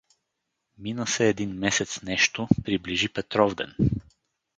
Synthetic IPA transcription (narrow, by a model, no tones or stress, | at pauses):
minəsɛːd̪inmɛsɛt̪snɛʃt̪opɾibliʒipɛt̪ɾɔvd̪ɛ̰n